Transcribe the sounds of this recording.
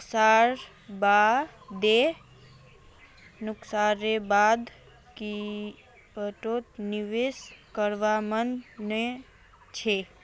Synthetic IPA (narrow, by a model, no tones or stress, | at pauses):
ksaɾ | bad̪e | nʊksaɾebad̪ | ki | əʈotniʋeskəɾʋamənne | t͡ʃʰe